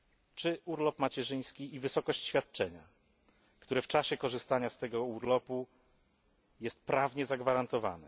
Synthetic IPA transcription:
t͡ʂɘuɾlɔpmat͡ɕɛʐɘj̃skʲiivɘsɔkɔɕt͡ɕɕfʲjat̪̚t͡ʂɛɲa | kt̪uɾɛft͡ʂaɕɛkɔʐɘst̪aɲast̪ɛɡɔuɾlɔpu | jɛst̪̚pɾavɲɛzaɡvaɾant̪ɔva̰nɛ

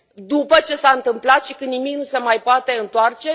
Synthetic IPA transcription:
d̪upət͡ʃe̞saɨnt̪ɨmplat̪ʃikɨnnimiknuse̞majpoat̪e̞ɨnt̪oart͡ʃe̞

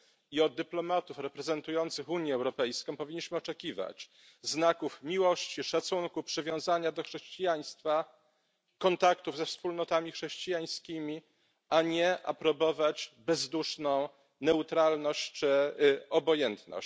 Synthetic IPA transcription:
iɔd̪̚d̪ɘplɔmat̪ufɾɛpɾɛzɛnt̪ujɔnt̪sɘxuɲjɛːwɾɔpɛjskɔ̃w̃pɔvʲiɲːiɕmɘɔt͡ʂɛkʲiva̰t͡ɕ | znakufmʲiwɔɕt͡ɕiʂat̪suŋkupʂɘvʲjɔ̃w̃zaɲad̪ɔxʂɛɕt͡ɕijaɲ̃st̪fa | kɔnt̪akt̪uvzɛfspulnɔt̪amʲixʂɛɕt͡ɕijaj̃skʲimʲi | aɲɛʔa̰pɾɔbɔvad͡ʑbɛzd̪uʂnɔ̃w̃ | nɛut̪ɾalnɔɕt͡ɕt͡ʂɘɔbɔjɛnt̪nɔ̰ɕ

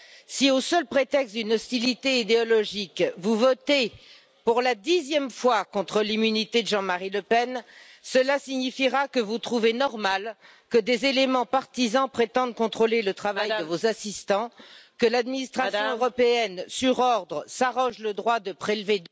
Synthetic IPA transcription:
siosœlpχet̪ɛkst̪d̪ynɔst̪ilit̪eid̪eɔlɔʒikvuvɔt̪e | puʁlad̪izjɛmfwakɔ̃t̪χəlimynit̪ed̪əʒɑ̃maʁiləpɛn | səlasiɲifiʁakəvut̪χuvenɔʁmal | kəd̪ezelemɑ̃paʁt̪izɑ̃pχet̪ɑ̃d̪̚kɔ̃t̪χolelət̪χavajdd̪əvozasist̪ɑ̃kəlad̪minist̪χasjɔ̃øʁɔpeɛnsyʁɔʁd̪ʁəsaʁɔ̃ʒləd̪ʁwad̪əpχelved̪

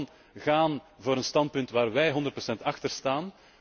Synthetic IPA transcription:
n | ɣaːnvoːɾənstɑnt̚pʏntʋaːrʋɛjɦɔndərt̚prɔsɛntɑxtərstaːn

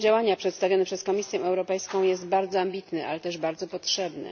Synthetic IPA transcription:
d͡ʑawaɲapʂɛt̪st̪avʲjɔnɛpʂɛskɔmʲisʲjɛ̃ɛwɾɔpɛjskɔ̃w̃jɛst̪baɾd̪zɔambʲit̪nɛʔa̰lɛt̪ɛʐbaɾd̪zɔpɔtʂɛbnɛ̰

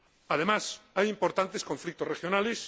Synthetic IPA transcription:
að̞emasajimpo̞ɾt̪ant̪esko̞ɱflik̚t̪orexjonales

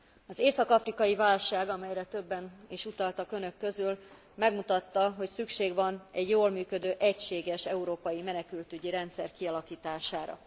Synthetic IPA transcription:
ɒzeːsɒkɒfrikɒjivaːlʃaːɡɒmɛjrɛt̪ø̞bːɛniʃut̪ɒlt̪ɒkø̞nø̞kːø̞zyl | mɛɡmut̪ɒt̪ːɒɦo̞csykʃeːɡʋɒnɛɟjoːlmyːkø̞d̪øːʔɛcʃeːɡɛʃɛuɾoːpɒjimɛnɛkylt̪yɟiɾɛnt̪sɛrkiɒlɒkiːt̪aːʃaːɾɒ̰

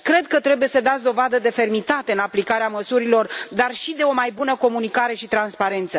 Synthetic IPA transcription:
kɾe̞d̪̚kət̪ɾe̞buje̞səd̪at̪sʲd̪o̞vad̪əd̪e̞fe̞rmit̪at̪e̞ɨnaplikaɾeaməsuɾilo̞rd̪arʃid̪e̞o̞majbunəko̞munikaɾe̞ʃit̪ɾanspaɾe̞nt̪sə

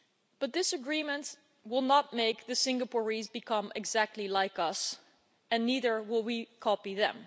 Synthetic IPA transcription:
b̥ʌt̪̚ðɪsəɡɹĩmə̃nt | wɪlˠnət̚meɪk̚ðɨsɪ̃ŋɡəpɔɹizbɨkʰʌ̃mɨ̰ɡzæk̚tʰˡlilaɪkʌs | ɨ̃nːiðə˞wɪlˠwikʰɑpiðɨ̰̃m

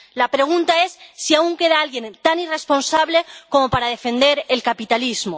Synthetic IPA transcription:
lapɾe̞ɣunt̪ae̞sːiauŋke̞ðaalɣje̞nt̪anire̞spo̞nsaβle̞ko̞mo̞paɾaðe̞fe̞nd̪e̞ɾe̞lkapit̪alizmo

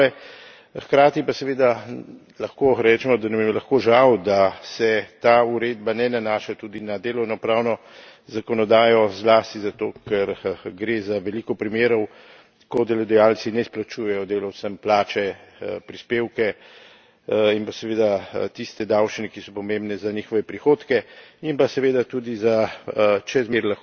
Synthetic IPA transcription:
ɛ | xkɾaːt̪ipasɛʋeːd̪a | lɐxkoɾɛt͡ʃɛmɔd̪anammlɐxkoʒawd̪asɛt̪aːuɾed̪banɛnanaːʃat̪ud̪inad̪eːlɔwnɔpɾaːwnɔ | zakɔnɔd̪aːjɔzlaːst̪izat̪oːkɛɾɡɾeːzaʋɛlikɔpɾimeːɾɔw | kɔd̪ɛlɔd̪ɛjaːlsinɛsplat͡ʃuːjɛjɔd̪eːlawsəmplaːt͡ʃɛpɾispeːwkɛ | impasɛʋeːd̪at̪ist̪ɛd̪awt͡ʃinɛkisɔpɔmembnɛzaniːxɔʋɛpɾixoːt̪kɛimpasɛʋeːd̪at̪uːd̪izat͡ʃɛzmeɾlax

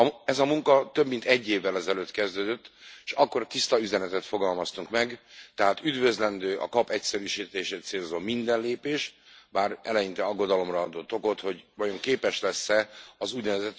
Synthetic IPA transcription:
ɛzɒmuŋkɒt̪øbmint̪ɛɟːeːvːɛlɛzɛløːt̪kɛzd̪øːd̪øt̪ːeʃɒkːo̞rt̪ist̪ɒyzɛnɛt̪ɛt̪fo̞ɡɒlmɒst̪uŋkmɛɡt̪ɛɦaːt̪yd̪vø̞zlɛnd̪øːʔɒ̰kɒpɛcsɛɾyːʃiːt̪eːʃeːt̪seːlzoːmind̪ɛnleːpeːʃbaːrɛ̰lɛjint̪ɛɒɡːo̞d̪ɒlo̞mrɒɒd̪oːt̪ːo̞ko̞t̪ho̞ɟvɒjo̞ŋkeːpɛʃlɛsːɛɒzuːɟnɛvɛzɛt̪

